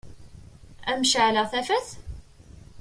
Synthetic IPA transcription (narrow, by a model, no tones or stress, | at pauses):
æmʃʕləʁθæfæθ